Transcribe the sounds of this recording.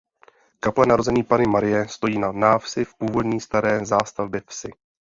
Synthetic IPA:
kaplɛnaɾo̞zɛɲiːpanɪmaɾɪjɛst̪o̞jiːnanaːfsɪfpuːvo̞dɲiːst̪aɾɛːzaːst̪avbjɛfsɪ

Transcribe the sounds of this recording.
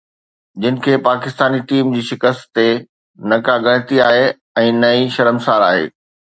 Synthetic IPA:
d͡ʑɪnɪ̆kʰeːpaːkɪst̪aːniʈiːmd͡ʑiːʃɪkəst̪t̪e | nɐkaɡɐ̃ɽ̃ɪ̃t̪iaːɦe | ɛ̃ːnɐiʃɐɾəmsaːɾaːɦḛː

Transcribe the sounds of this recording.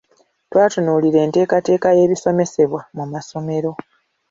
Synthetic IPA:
twaːtunuːliɾe̞ːnte̞ːkate̞ːkaje̞ːβiso̞me̞se̞βwamumaso̞me̞ɾo̞

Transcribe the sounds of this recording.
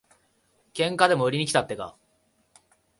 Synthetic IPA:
kẽ̞ŋkad̪e̞mo̞ɯ̟ɾʲiɲ̟ikʲi̥t̪at̪ːe̞ɡa̰

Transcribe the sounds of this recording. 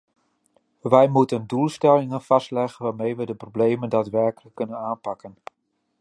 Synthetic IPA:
ʋɛjmutəndulˠstɛlɪŋənv̥ɑstlɛχənʋaːɹmejʋədəproblejməndaːtʋɛɹkələkːɵnənaːnpɑkən

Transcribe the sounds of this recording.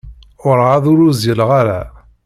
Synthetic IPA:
ʊɾʁaðʊɾʊzjəlʁaɾa

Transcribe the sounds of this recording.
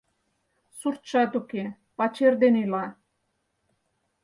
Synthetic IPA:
surt̪ʃɑt̪uke | pɑt͡ɕerd̪enyjlɑ

